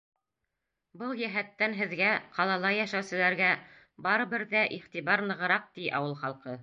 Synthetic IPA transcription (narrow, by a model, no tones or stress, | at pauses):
bɤlˠjæɦæt̪ːænɦɘ̆ðɡæqʰɑlˠɑlˠɑjæʃæwsɘ̆læɾɡæ | bɑɾɤ̆βɘɾðæʔiχt̪iβɑɾnɤ̆ʁɤ̆ɾɑq̚t̪iʔɑ̰wɤlˠχɑlˠqɤ